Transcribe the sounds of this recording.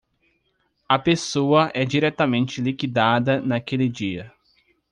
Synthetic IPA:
ɐpesoɐʔɛd͡ʒiɾɛt̪ɐmẽnt͡ʃɪlikid̪ad̪ɐnɐkelɪd͡ʒiɐ

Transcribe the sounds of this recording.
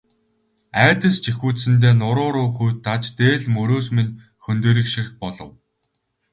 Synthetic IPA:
æːt̪ə̆st͡ɕixuːsɘ̆nt̪̬eːnʊɾʊːɾʊːxujt̪ʰːat͡ɕt̪eːɮmɵɾoːs̬min | xɵnt̪eːɾɘ̆kʃixpɔɮɞ̆w

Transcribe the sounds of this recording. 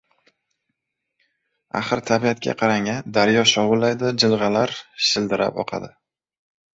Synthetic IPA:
a̰χɨɾt̪ʰabiat̪̚kʲa̰qʰɑɾaŋʲand̪aɾjɒʃɒwʊlːajd̪ɪd͡ʒɪlˠʁɑlaɾʃɪld̪ɪɾa̰pɒ̰qʰɑ̰d̪ɪ

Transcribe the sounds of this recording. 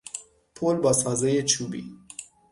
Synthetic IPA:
pʰolbɑsɑzejet͡ʃʰubḭ

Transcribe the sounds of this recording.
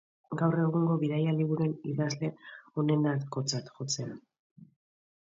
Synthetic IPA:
ɡawre̞ɣuŋɡo̞βiðajaliβuɾe̞niðazle̞o̞ne̞nat̪ko̞t͡sat̪ʝo̞t͡se̞a

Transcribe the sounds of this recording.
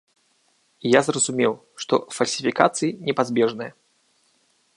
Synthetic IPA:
ijazrɐzumʲɛw | ʂt̪ɔ̰fɐlʲsʲifʲika̰t̪sɨjinʲɛpazʲbʲɛʐnɨjɐ

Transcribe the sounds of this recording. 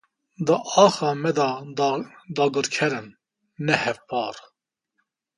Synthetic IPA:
d̪əʔɑːxɑːmɛd̪ɑ | d̪ɑːɡɨɾkʰɛɾɨnː | ɛhɛvpɑːɾ

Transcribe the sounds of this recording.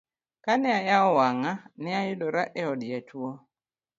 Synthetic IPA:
kanɪajaɔwaŋanɪajɪdɔɾaʔɛɔdjatʰwo

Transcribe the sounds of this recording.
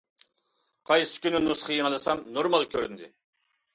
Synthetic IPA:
qʰɑjsy̥kʲønynːusχəjiŋɑlˠɨsɑmnoɾmɑlˠkʲʰøɾynd̪ɪ̰

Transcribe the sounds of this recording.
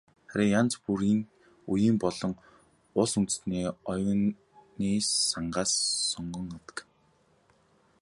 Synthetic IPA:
χæɾʲɪ̆ŋjant͡spuɾiːŋ | ujiːmpɔɮɞ̆ŋ | ʊɮsunt̪̆sniːɔjʊn | niːsaɴɢaːsːɔɴɢɞ̆ŋat̪ə̥̆k

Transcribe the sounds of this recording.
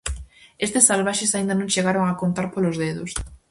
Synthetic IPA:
est̪ɪsːalβaʃesaĩnd̪ɐnõŋʃeɣaɾoŋakont̪aɾpolʊzðeðʊs

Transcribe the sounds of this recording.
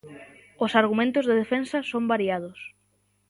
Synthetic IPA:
osaɾɣ̞umẽnt̪ʊzðeðefensɐsõmbaɾiað̞ʊs

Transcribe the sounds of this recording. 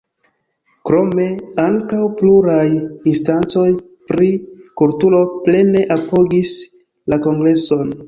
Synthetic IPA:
kɾo̞me̞aŋkawpluɾajinstant͡so̞j | pɾikultulo̞ple̞ne̞ʔapo̞ɡis | lako̞ŋɡɾe̞so̞n

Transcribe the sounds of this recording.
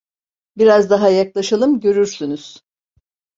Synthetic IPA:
biɾazd̪aɦajaklˠaʃalˠɯmɟø̞ɾyɾsynyz̥

